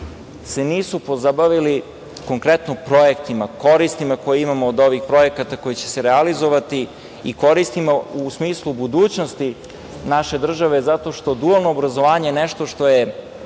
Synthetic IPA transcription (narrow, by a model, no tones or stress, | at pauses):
se̞niːsupo̞zabaʋili | ko̞ŋkɾet̪nopɾo̞jekt̪imako̞ɾist̪imako̞jeimamoːd̪o̞ʋixpɾo̞jekat̪ako̞jet͡ɕe̥seɾealizo̞ʋat̪i | iko̞ɾist̪imausmiːslˠubud̪uːt͡ɕno̞st̪i | naʃe̞d̪r̩ʒaʋezat̪o̞ʃt̪o̞d̪ualˠnoːbɾazo̞ʋaːɲejeneʃt̪o̞ʃt̪o̞je̞